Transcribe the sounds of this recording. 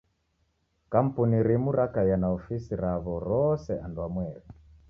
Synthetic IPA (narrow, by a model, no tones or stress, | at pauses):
kam̩puniɾimuɾakajanaɔfisiɾaβɔɾɔsɛandwamwɛɾi